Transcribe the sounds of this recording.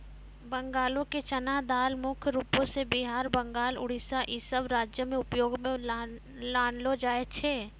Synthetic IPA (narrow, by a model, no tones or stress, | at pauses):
bə̃ŋɡaːlõket͡ʃɐnad̪aːlmʊkʰɾuːpõsebiɦaːɾbə̃ŋɡaːlʊ̰ɽ̤isaʔisəbɾaːd͡ʒjəmẽʊpjoːɡme | laːnlod͡ʒaːet͡ʃʰeː